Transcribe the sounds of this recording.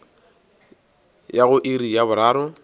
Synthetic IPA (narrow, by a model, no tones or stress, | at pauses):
jaɣʊʔirijaβʊɾaːɾʊ